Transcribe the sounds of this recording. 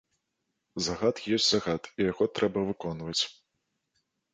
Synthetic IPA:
zaɣat̪jɔsʲt͡sʲzaɣat̪ijaɣɔt̪ɾɛbɐvɨkɔnvɐt͡sʲ

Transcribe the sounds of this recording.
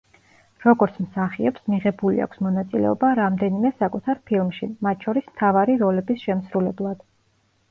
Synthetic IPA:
ɾɔɡɔɾt̪sʰmsaχiɛpsmiʁɛbulḭa̰kʰsmɔnat̪sʼilɛ̰ɔbaɾamd̪ɛnimɛsakʼut̪ʰaɾpʰilˠmʃimat̪̚ʰt͡ʃʰɔɾismt̪ʰavaɾiɾɔlɛbisʃɛmsɾulɛblˠad̪̥

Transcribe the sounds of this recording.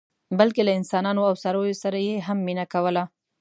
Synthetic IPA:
bəlkelaɪnsɑnɑnoawsaɾəjosaɾajeɦamːinakawəla

